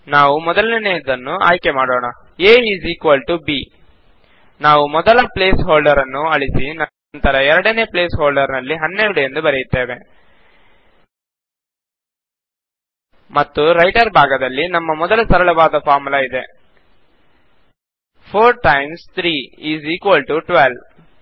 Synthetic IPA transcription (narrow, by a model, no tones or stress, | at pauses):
naːʋumɔd̪ɐlnɐneːd̪ɐnːua̰ːjkemaːɽoːɳɐ | eːiːziːkʋɐlʈubi | naːʋumɔd̪ɐlɐple̞ːsɦoːlɖɐɾɐnːuɐɭisinɐ | nt̪ɐɾɐɛɾɐɽɐne̞ːpleːsɦoːɭɖɐɾnɐlːiɦɐnːeɾuɽujend̪ubɐɾɛjit̪ːeːʋe̞ | mɐt̪ːuɾɐjʈɐɾbʱaːɡɐd̪ɐlːinɐmːɐmɔd̪ɐlɐsɐɾɐɭɐʋaːd̪ɐpʰaːɾmulɐid̪e | pʰoːɾʈɐjmst̪ʰɾiːiːziːkʋɐlʈuʈʋel